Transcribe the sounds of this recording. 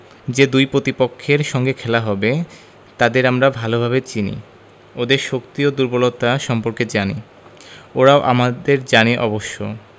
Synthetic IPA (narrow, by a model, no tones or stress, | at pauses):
d͡ʑed̪ujpɾot̪ipokʰːeɾʃɔŋɡekʰɛlaɦɔbe | t̪ad̪eɾamɾabʱalobʱaβet͡ɕinḭ | od̪eɾʃokt̪iod̪uɾbolot̪aʃɔmpoɾked͡ʑani | oɾaoʔamad̪eɾd͡ʑaniʔɔboʃːo